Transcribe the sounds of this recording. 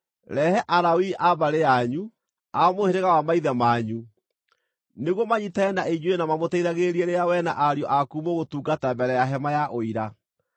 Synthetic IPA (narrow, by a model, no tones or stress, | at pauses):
ɾɛhɛʔaɾawiʔaβaɾeaɲu | amoheɾeɣawamaiðɛmaɲu | neɣɔmaɲitaɛnaeɲuenamamotɛiɾaɣeɾiɛɾeawɛna̰ʔaɾjɔʔakumoɣotuːɡatambɛɾɛjaɦɛmajaʔoiɾa